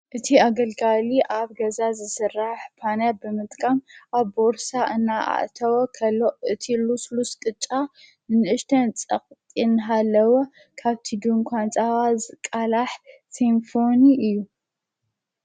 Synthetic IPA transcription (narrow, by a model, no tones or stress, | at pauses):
ʔɨt̪ʰiaɡɐlɡaliʔaβɡɐzazɨsɨrːaħpʰanjabɨmɨt̪ʼkʼamʔaβboɾsaʔɨnːaa̰ʔt̪ʰɐwokʰɐlːoʔɨt̪ʰilusluskʼɨt͡ʃʼːa | nɨnɨʔɨʃt̪ʰɐnt͡sʼɐqʼt̪ʼinɦalːɐwo | kʰaβt̪ʰid̪uŋkʷʰant͡sʼawazkʼalaħsimfo̞niʔɨjːu